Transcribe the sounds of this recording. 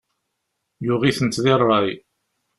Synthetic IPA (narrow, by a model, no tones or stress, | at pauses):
jʊʁiθənt̪ðirˤːɑj